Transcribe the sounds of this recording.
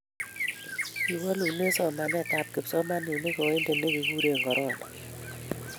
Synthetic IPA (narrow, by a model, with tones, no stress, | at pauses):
i˨wɔ˦lu˨ne˦sɔ˦˨ma˨nɛ˦˨ta˦˨t̚ke˨psɔ˦ma˦ni˨ne˦kɔ˨˦e˦nde˨ne˦ke˨ɡu˦ɾe˦˨ŋɡɔ˨ɾɔ˦˨nɔ˨